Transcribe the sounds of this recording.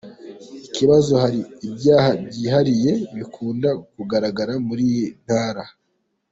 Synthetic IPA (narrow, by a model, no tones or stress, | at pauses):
ikiβazo̞haɾiːbɟaːhabɟiːɦaɾije̞βikʰuːndakuɡaɾaɡaɾamuɾiːjin̥haːɾa